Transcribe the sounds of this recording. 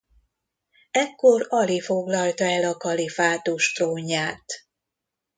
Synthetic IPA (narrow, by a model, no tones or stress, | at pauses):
ɛkːo̞ɾɒlifo̞ɡlɒlt̪ɒɛlɒkɒlifaːt̪oʃt̪roːɲːaːt̪